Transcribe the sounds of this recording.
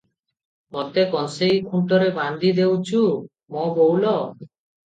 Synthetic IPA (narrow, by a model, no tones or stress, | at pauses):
mɔt̪ekɔnsejkʰuɳʈɔɾeband̪id̪ewt͡ʃʰu | mɔbowlɔ